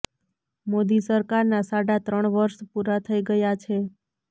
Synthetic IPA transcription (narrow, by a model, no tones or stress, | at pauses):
mod̪isəɾkaɾnasaɽat̪ɾəɳʋəɾʃpuɾat̪ʰəiɡəjat͡ʃʰe